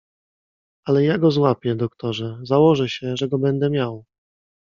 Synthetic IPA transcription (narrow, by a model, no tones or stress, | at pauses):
alɛjaɡɔzwapʲjɛd̪ɔkt̪ɔʐɛzawɔʐɛɕɛʐɛɡɔbɛnd̪ɛmʲjaw